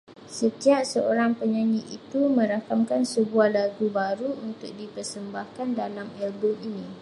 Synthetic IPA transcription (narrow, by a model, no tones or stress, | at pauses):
sət̪iap̚səoɾaŋpəɲaɲiʔit̪umə̃ɾakamkansəbuahlaɡubaɾuunt̪ʊk̚dipərsəmbahkandalamɛlbʊminĩ